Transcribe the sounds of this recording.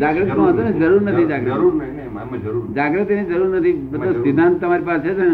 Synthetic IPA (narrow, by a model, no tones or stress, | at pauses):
d͡ʒaɡɾət̪sõɦət̪oned͡ʒəɾuɾnət̪ʰid͡ʒaɡɾət̪ | d͡ʒaɡɾət̪ened͡ʒəɾuɾnət̪ʰibət̪osid̪ʱãnt̪əmaɾipasʰet͡ʃen